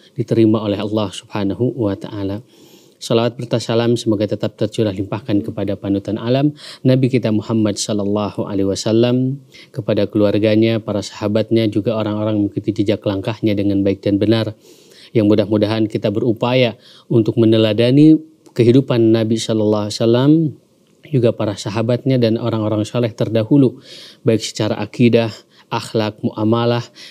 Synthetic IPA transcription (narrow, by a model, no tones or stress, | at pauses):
dit̪əɾimaolɛɦɑlːɑhsubhanaɦuwat̪aʔala | sɔlawat̪̚bərt̪asalamsəmoɡajt̪ət̪ap̚t̪ərt͡ʃulahlimpahkankəpadapanut̪anʔalamnabikit̪amuhamːadsɔlɑlːɑhuʔa̰lehiwasalːam | kəpadakəluarɡaɲapaɾasḁhabat̪̚ɲad͡ʒuɡaoɾaŋoɾaŋmukit̪ud͡ʒid͡ʒaklaŋkahɲadəŋanbaɪk̚danbənar | jaŋmudahmudaɦankit̪abəɾupaja | unt̪ʊk̚mənəladani | kəɦidupanːabisɔlɑlːɑɦasalːam | d͡ʒuɡapaɾasaɦabat̪̚ɲadanʔo̰ɾaŋoɾaŋsolɛht̪ərdahulubaɪksə̥t͡ʃaɾa̰ʔakidah | ʔaxlak̚muʔamalah